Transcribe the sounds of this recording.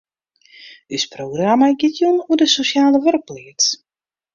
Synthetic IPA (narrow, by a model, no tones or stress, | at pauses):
ɪsprowɡramaɡɪtjunuədəsosjaːləʋørk̚pliət͡s